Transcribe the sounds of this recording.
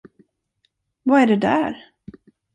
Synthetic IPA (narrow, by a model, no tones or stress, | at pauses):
vaæɖɛd̪æ̰ɾ